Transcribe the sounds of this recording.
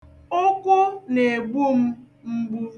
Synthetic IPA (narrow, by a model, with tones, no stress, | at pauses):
o˦kʷʊ˦ne˨ɡ͡bu˦m̩˦ | ŋ͡m̩˦ɡ͡bu˦